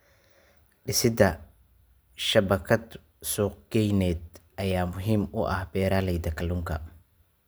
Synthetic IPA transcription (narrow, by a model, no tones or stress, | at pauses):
ɖɪsɪd̪ɐ | ʃɐbɐkʰɐd̪ | suːq̚ɡ̥ɛjnɛːd̪̚ʔɐjaːmʊɦiːmʊʔɐ̰hbɛːɾaːlɛjd̪ɐkʰɐluːŋkʰɐ̰